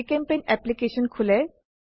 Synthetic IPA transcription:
kempenɛplikeʃonkʰuleɾ

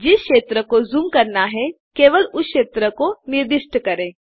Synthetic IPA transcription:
d͡ʒɪsʃeːt̪ɾəkozumkɐɾnaɦɛ | keːʋəlʊʃeːt̪ɾəkonɪɾd̪ɪʃʈəkɐɾẽː

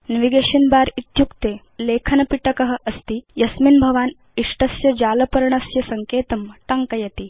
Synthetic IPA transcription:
nɐʋiɡeːɕɐnbaːɾit̪jukt̪e | leːkʰɐnɐpiʈɐkɐɦɐ̆ʔɐst̪iːjɐsminbʱɐʋaːn | iʂʈɐsjɐd͡ʑaːlɐpɐɾɳɐsjɐsɐŋkeːt̪ɐmʈɐŋkɐjɐt̪i

